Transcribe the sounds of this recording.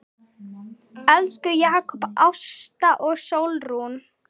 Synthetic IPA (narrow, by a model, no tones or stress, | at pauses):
ɛlskʏjaːkʰɔpawst̪aʔɔɣsoːwlrun